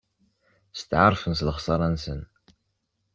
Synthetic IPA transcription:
st̪ʕəɾˤfənsləχsˤɑɾˤɑnsə̰n

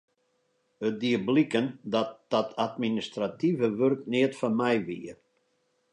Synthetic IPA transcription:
ət̚diəblikəndɔt̚d̥ɔtʰatministrativəʋørknɪətfɔnmɛjʋiər

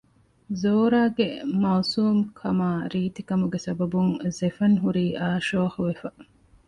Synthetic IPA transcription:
zoːɾaːɡemɐːsuːmkʰɐmaːɾiːt̪ikɐmuɡesɐbɐbuŋzefɐŋɦuɾiːʔaːʃoːxuʋefɐ

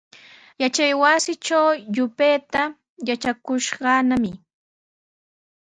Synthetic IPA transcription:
jat͡ʃajwasɪt͡ʃawʎʊpejt̪a | jat͡ʃakʊʃɢɑnamɪ

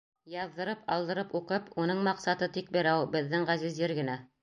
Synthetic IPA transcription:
jɑðːɤ̆ɾɤpʰɑ̰lˠd̪ɤ̆ɾɤpuqɤpunɤɴmɑqsɑt̪ɤt̪ik̚bĭɾæwbɘ̆ðːɘŋʁæzɘ̆zjɘɾɡɘ̆næ

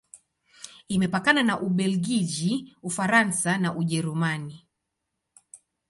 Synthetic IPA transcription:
imɛpakananaʔuɓɛlɡiʄiufaɾansanaʔuʄɛɾumani

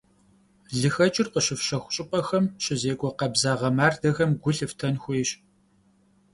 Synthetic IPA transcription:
ɮɨxɐt͡ʃʼɪrqəɕɪfʃɐxʷʊɕʼɪpʼɐxɐmɕɪzeːɡʷʼɔqɐbzaːʁɐmaːrdɐɣɐmɡʷʊɬɨftʰɐnxʷʊjɕ

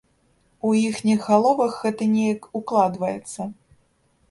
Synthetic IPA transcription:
uixnʲiɣːalˠɔvɐxɣɛt̪ɐnʲɛjɐkuklˠad̪vɐjɛt̪sːɐ

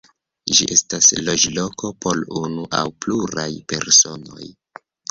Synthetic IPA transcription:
d͡ʒiʔe̞staslo̞d͡ʒlo̞ko̞po̞lunuʔa̰wpluɾajpe̞̰ɾso̞no̞̰j

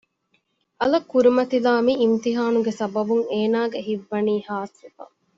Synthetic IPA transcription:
ʔɐlɐkːuɾimɐt̪ilaːmiːmt̪iɦaːnuɡesɐbɐbuŋeːnaːɡeɦiʋːɐniːhaːsifɐ̰

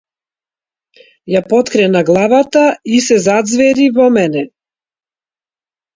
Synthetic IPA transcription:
japɔt̪kɾɛnaɡlˠavat̪aisɛzad̪zvɛɾivɔmɛnɛ

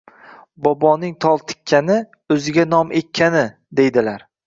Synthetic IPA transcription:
bɒbɒnɪŋt̪ʰɒlˠt̪ʰɪ̥kʲʰːanɪ | ɵzɪɡʲanɒmʔek̪̚ʲʰːanɪ | d̪e̞jd̪ɪlaɾ

